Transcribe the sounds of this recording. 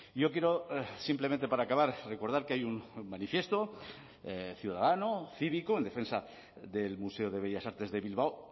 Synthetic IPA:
jo̞k̬je̞ɾosimpleẽnt̪̬e̞paɾaːkaβaɾre̞ko̞ɾð̞aɾkeajunmanifje̞st̪o̞ | θjuðaðanoθiβikoend̪e̞fe̞nsa | ðe̞lmuse̞oðe̞β̞eʝasaɾt̪e̞zðe̞βilβao

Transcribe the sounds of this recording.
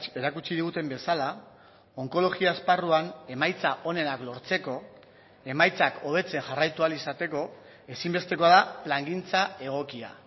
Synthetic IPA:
e̞ɾakut͡ʃiðiɣut̪e̞mbe̞sala | o̞ŋko̞lo̞ɣiaːsparuane̞majt͡saʔo̞ne̞naklo̞ɾt͡se̞ko̞ | e̞majt͡sako̞β̞e̞t͡se̞ŋʝarajt̪ualisat̪e̞ko̞ | e̞simbe̞st̪e̞ko̞aðaplaŋɡint͡sae̞ɣ̞o̞kia̰

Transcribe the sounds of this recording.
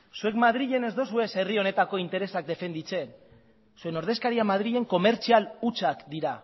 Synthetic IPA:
sue̞kmaðɾiʎe̞ne̞zd̪osue̞se̞rio̞ne̞t̪ako̞int̪e̞ɾe̞sak̚d̪e̞fe̞nd̪it͡se̞n | sue̞no̞ɾð̞e̞skaɾiamað̞ɾiʎe̞ŋko̞me̞ɾt͡sialut͡ʃakd̪iɾa

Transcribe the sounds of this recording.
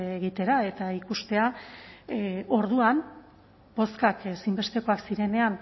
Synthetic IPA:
eɣit̪e̞ɾae̞t̪aikust̪e̞a | o̞ɾðuan | b̥o̞skakesimbe̞st̪e̞ko̞aksiɾe̞ne̞an

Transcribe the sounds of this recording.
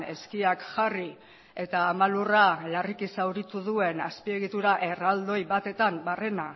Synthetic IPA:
e̞skiakʝari | e̞t̪aːmaluralarikisawɾit̪uðue̞naspie̞ɣit̪uɾaʔe̞rald̪o̞jβat̪e̞t̪ambare̞na

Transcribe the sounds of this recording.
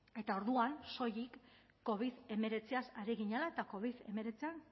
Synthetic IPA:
e̞t̪ao̞ɾðuanso̞jikː | o̞β̞iðe̞me̞ɾe̞t͡siasaɾiɣiɲalae̞t̪ako̞β̞iðe̞̰me̞ɾe̞t͡sian

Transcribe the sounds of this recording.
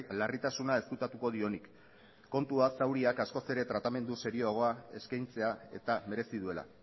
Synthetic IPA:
larit̪asunae̞skut̪at̪uko̞ð̞io̞nikː | o̞nt̪uasawɾiakasko̞se̞ɾe̞t̪ɾat̪ame̞nd̪use̞ɾio̞aɣ̞o̞ae̞̰skajnt͡se̞ae̞̰t̪ame̞ɾe̞siðue̞la̰

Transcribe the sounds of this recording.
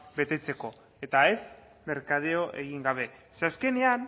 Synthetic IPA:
be̞t̪e̞t͡se̞ko̞ | e̞t̪ae̞z | me̞ɾkað̞eoʔe̞ɣiŋɡaβ̞e̞seaske̞ne̞an

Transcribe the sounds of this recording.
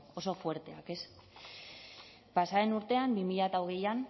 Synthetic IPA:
o̞sofwe̞ɾt̪e̞ake̞s | pasaenuɾt̪e̞ambimiʎat̪awɣejan

